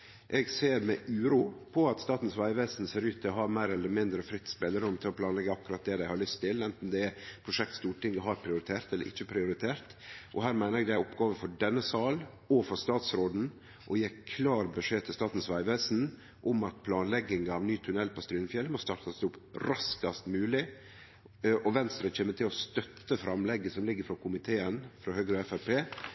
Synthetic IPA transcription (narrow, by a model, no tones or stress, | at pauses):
ʔɛɡseːɾmɛʔʉːɾuːpʰɔɑt̪st̪ɑːt̪n̩sʋæɪʋeːsn̩seːɾʉːt̪ʰːɪlɔhɑːɾmæɪɾɛlːəɾmɪnd̪ɾəfɾɪt̪ːspɛlːəɾʉmːt̪ʰɪlɔpʰlɑːnlɛɡːəɑkɾɑt̪̚d̪ɛd̪æɪhɑɾɭʏst̪ʰːɪlɛnt̪n̩d̪ɛpʰɾʊʂɛk̚t̪st̪uːʈɪŋːəɦɑɾpʰɾɪʊɾɪt̪ʰeːɾt̪ɛlə̰ɾʔɪ̰çːəpʰɾɪʊɾɪt̪ʰeːɾt̪ʔɔhæːɾmæɪnəɾɛɡd̪ææɾɔpɡɑːʋəfɔɖɛnːəsɑːl | ɔfɔɾst̪ɑːt̪sɾoːd̪n̩ | ʔɔjeːɾkʰlɑːɾbəʂeːt̪ʰɪlst̪ɑːt̪n̩sʋæɪʋeːsn̩ | ʔʊmɑt̪̚pʰlɑːnlɛɡːɪŋɑʋnyːt̪ʰʉnɛlːpʰɔst̪ɾyːnfjɛlːmɔst̪ɑɾt̪ɑsd̪ʊpɾɑskɑst̪mʉːlɪ | ʔɔʋɛnst̪ɾəc͡çeːmːət̪ʰɪlɔst̪œt̪ːəfɾɑmlɛɡːəsɔmlɪɡːəɾfɾɑkʰʊmɪt̪ʰeːənfɾɑhøːɡɾəɛfæɾpʰeː